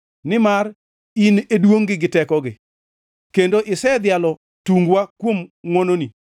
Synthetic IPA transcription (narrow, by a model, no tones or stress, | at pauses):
nɪmar | inedwoŋɡɪɡɪtɛkɔɡɪ̰ | kendoʔɪsɛd̪jalɔ | tuŋɡwakwomŋɔnoni